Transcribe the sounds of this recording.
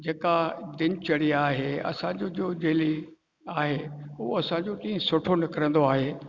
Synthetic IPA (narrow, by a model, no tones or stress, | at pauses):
d͡ʑeːkad̪ɪnɪt͡ɕɐɽiaːɦeɐ̰sãd͡ʑoːd͡ʑoːd͡ʑeːli | aːɦeʊɦoɐsãɲd͡ʑoʈĩːə̃sʊʈʰonɪkəɾə̃nd̪oaːɦeː